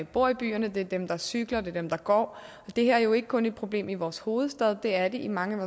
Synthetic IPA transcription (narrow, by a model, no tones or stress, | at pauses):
b̥o̝ɐ̰ib̥y̰ːɐnəd̥e̝ɐd̥emd̥ɑ̈syɡ̥lɐd̥e̝d̥emd̥ɑ̈ɡ̥ɒ̰ː | ɒ̽d̥e̝hæɐ̰æɐjo̝e̝ɡ̥ə̥kʰɔ̽ne̝d̥̚pʰʁo̝b̥le̝̰ːmiʋɒːsho̝ːð̞̩ˠsd̥ɛð̞ˠd̥e̝æɐde̝ʔimɑ̈ŋəæʋɒ